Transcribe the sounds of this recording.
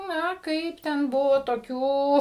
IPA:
ˈnɐ ˈkɐɪp tʲɛn ˈbʊʋoː toːˈkʲuː

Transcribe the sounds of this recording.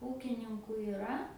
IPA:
ˈuːkʲɪnʲɪŋkʊ ɪˈrɐ

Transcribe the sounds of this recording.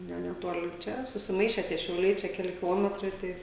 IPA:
ˈnʲɛ nʲɛˈtoːlʲɪ ˈt͡ʃʲɛ sʊsʲɪˈmɐɪʃʲɛ tʲiɛ ʃʲɛʊˈlʲɛɪ t͡ʃʲɛ kʲɛˈlʲɪ kʲɪˈlˠoːmʲɛtrɐɪ ˈtɐɪ

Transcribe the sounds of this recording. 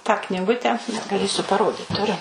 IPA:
tɑː knʲɪˈɡʊtʲɛ ɡɐˈlʲeːsʲʊ pɐˈroːdʲɪt tʊˈrʲʊ

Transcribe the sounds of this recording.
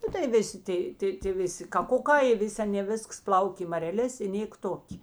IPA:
ˈnʊ tɐɪ ˈʋʲɪˌsʲɪ ˈtɐɪ tɐɪ tʲeː ˈʋʲɪˌsʲɪ kɐˈkʊˌkɑː ɪ ˈʋʲɪsʲ ˈɑːnʲeː ˈʋʲɪsks ˈplˠɐʊkʲeː ɪ mɐrʲɛˈlʲeːs ɪ ˈnʲeːk ˈtoːkʲ

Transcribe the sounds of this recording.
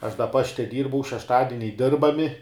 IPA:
ɐʃ dɐ ˈpɑːʃʲtʲɛ ˈdʲiːrbɐʊ ʃʲɛʃˈtɑːdʲɪnʲɛɪ ˈdʲɪrbɐmʲɪ

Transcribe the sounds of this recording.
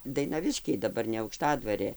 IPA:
dɐɪnɐˈʋʲɪʃʲkʲɛɪ dɐˈbɐr nʲɛ ɐʊkˈʃtɑːdʋɐrʲeː

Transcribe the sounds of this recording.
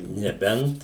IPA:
nʲɛˈbʲɛnt

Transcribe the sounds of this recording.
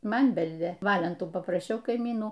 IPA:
ˈmɐn ˈbʲɛlʲdʲeː ˈʋɑːlʲɛntuː pɐprɐˈʃʲɛʊ kɐɪˈmʲiːnuː

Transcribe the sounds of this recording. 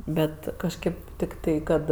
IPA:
ˈbʲɛt kɐʃʲˈkʲeːp tʲɪkˈtɐɪ ˈkɐt

